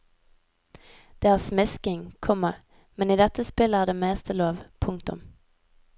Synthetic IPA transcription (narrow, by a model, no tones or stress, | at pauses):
d̪̥eːæːʁsmɪskɪŋkʰɔmə | mɛniːd̪ɛt̪əspɪləæːʁd̪eːmeːst̪ʰəloːʋpʰʊŋkt̪ʊ̰m